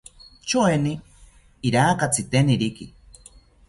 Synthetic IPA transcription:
t͡ʃoeniː | ɾaːkat͡sit̪eniɾikḭ

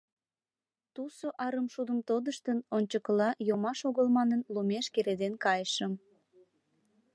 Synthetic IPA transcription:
t̪usoʔɑɾəmʃud̪əmt̪od̪əʃt̪ənonʲt͡ɕəkəlɑjomɑʃoɣəlmɑnənlumeʃkeɾed̪enkɑjəʃəm

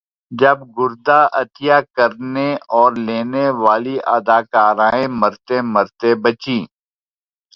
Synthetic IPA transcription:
d͡ʒɐbɡʊɾd̪aːʔɐt̪ijaːkɐɾneɔːɾleːneʋaːliʔɐ̰d̪aːkaːɾãːẽmɐɾt̪emɐɾt̪ebɐt͡ʃĩː

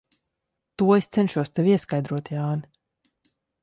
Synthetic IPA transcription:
t̪uɔest̪sɛnʃuɔst̪ɛviɛskajd̪ɾuɔt̪jaːni

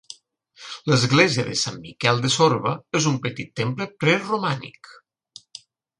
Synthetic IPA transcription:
ləzɣleziəðəsamːikɛlˠd̪esoɾβəezumpət̪it̪ːempləpɾɛrumanḭk

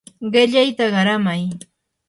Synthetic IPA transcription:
ɢɪʎajt̪aɢɑɾamaj

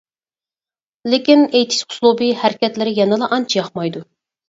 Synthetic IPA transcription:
lɪkʲinejt̪ʰi̥sqʰʊ̥slˠubihæɾkʲɛt̪lɪɾɪjɛnɨlˠɑʔɑnt͡ʃʰijɑχmɑjd̪u

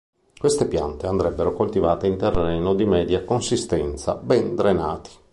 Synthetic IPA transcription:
kwest̪epja̰nt̪eand̪ɾɛbːeɾokolt̪ivaːt̪eint̪erːɛːnod̪imɛːd̪jakonsist̪ɛnt̪sa̰bɛnd̪ɾenaːt̪i̥

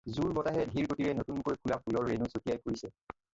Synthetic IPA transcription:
zuɹbɔtaɦɛdʱiɹkotiɹɛnotunkojkʰulap̚ʰulɔɹːenusokijajkuɹisɛ

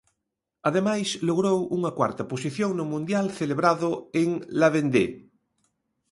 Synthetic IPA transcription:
aðemajsloɣ̞ɾowuŋɐkwa̰ɾt̪ɐposiθjoŋnʊmũnd̪jalθeleβɾaðʊeŋlaβend̪ḛ

